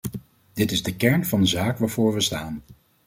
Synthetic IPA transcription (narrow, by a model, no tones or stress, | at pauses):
d̥ɪtɪzdəkɛɹnvɑndəzaːkʋaːɹvʊːɹʋəstaːn